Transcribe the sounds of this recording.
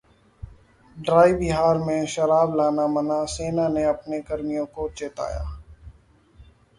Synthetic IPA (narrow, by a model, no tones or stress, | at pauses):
ɖɾaːiːbɪɦaːɾmẽʃəɾaːblaːnamənaːseːnaːneɐpnekəɾmijõːkot͡ʃeːt̪a̰ːja̰ː